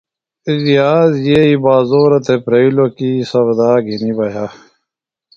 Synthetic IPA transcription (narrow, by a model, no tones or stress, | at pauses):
izijaːzjeibaːzoːɾɐt̪ʰepɾɐilokisɐɾd̪aːɡʱinibɐjaː